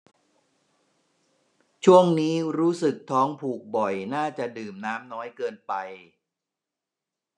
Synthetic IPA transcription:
t͡ɕʰu˥˩əŋniː˦˥ɾuː˦˥sɯ˨˩k̚t̪ʰɔː˦˥ŋpʰuː˨˩k̚bɔ˨˩jnaː˥˩t͡ɕa˨˩dɯː˨˩mnaː˦˥mnɔː˦˥jkɤː˧npa˧j

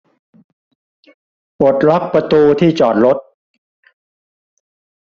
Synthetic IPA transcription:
ʔo˨˩t̪̚ɾla˦˥k̚pɾa˧t̪uː˧t̪ʰiː˥˩t͡ɕɔː˨˩t̪̚ɾo˦˥t̪̚

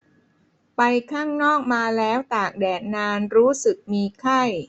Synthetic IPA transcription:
pa˧jkʰaː˥˩ŋnɔː˥˩k̚maː˧lɛː˦˥wt̪aː˨˩k̚dɛː˨˩t̪̚naː˧nɾuː˦˥sɯ˨˩k̚miː˧kʰa˥˩j

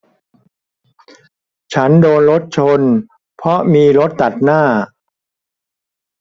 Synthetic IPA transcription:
t͡ɕʰa˦˥ndoː˧nɾo˦˥t̪̚t͡ɕʰo˧n | pʰɾɔ˦˥miː˧ɾo˦˥t̪̚ːa˨˩t̪̚naː˥˩

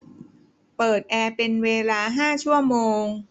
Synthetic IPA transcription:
pɤː˨˩t̪̚ʔɛː˧pe˧nweː˧laː˧ɦaː˥˩t͡ɕʰu˥˩əmoː˧ŋ

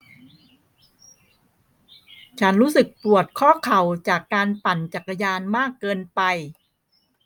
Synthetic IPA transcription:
t͡ɕʰa˦˥nɾuː˦˥sɯ˨˩k̚pu˨˩ət̪̚kʰɔː˥˩kʰa˨˩wt͡ɕaː˨˩kːaː˧npa˨˩nt͡ɕa˨˩k̚ːa˧jaː˧nmaː˥˩kːɤː˧npa˧j

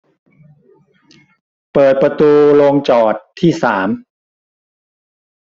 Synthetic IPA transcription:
pɤː˨˩t̪̚pɾa˧t̪uː˧lo˧ŋt͡ɕɔː˨˩t̪ʰːiː˥˩saː˩˦m

